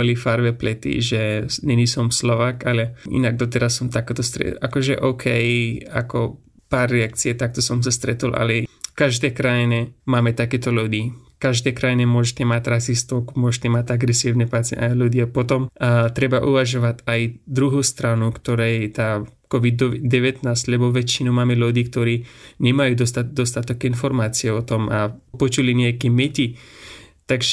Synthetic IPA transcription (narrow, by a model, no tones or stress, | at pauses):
ɔlifaɾʋɛplɛt̪ḭʒɛɲɛnisɔmslɔʋaːkalɛʔḭnaɡ̚d̪ɔt̪̬ɛɾasːɔmt̪akt̪ɔst̪ɾɛ̰akɔʒɛ̰ʔɔʊkʰɛja̰kɔ | paːrːɛak̚t͡siɛt̪ak̚t̪ɔsɔms̬ast̪ɾɛt̪ulʔa̰lɛfkaʒd̪ɛkɾajinɛmaːmɛt̪akɛt̪ɔludiːkaʒd̪ɛkɾajinɛmʊɔʒɛt̪ʲɛmat̪ʲɾasist̪ɔkmʊɔʒɛt̪ɛmatʲaɡɾɛsiʊnɛpat͡sɪɛ̰najlud̪iapɔt̪ɔmt̪ɾɛbaʔuʋaʒɔʋatajd̪ɾuɦuːst̪ɾanukt̪ɔɾɛjt̪aːkɔʋid̪ɔd̪ɛʋɛt̪naːstʲlɛbɔʋɛt͡ʃinɔmaːmɛlud̪iːkt̪ɔɾiːɲɛmajuːd̪ɔst̪ad̪ɔst̪at̪ɔɡinfɔɾmaːt͡siɛɔt̪ɔmapɔt͡ʃuliɲɛakɛmɛci | t̪aɡʒ